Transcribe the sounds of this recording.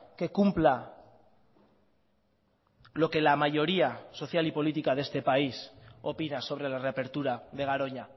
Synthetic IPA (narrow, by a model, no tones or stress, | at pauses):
ke̞kumpla | lo̞ke̞lamaʝo̞ɾiaso̞θjalipo̞lit̪ikaðe̞st̪e̞paiso̞pinaso̞βɾe̞lare̞ape̞ɾt̪uɾaðe̞ɣ̞aɾo̞ɲa